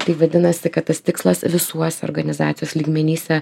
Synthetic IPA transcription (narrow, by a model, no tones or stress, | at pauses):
t̪ɐɪʋɐd̪ʲɪnɐsʲɪkɐt̪t̪ɐst̪ʲɪkslˠɐsʋʲɪsuɔsʲɛo̰ːɾɡɐnʲɪzɑːt̪sʲɪjoːsʲlʲiːɡmʲɛnʲiːsʲɛ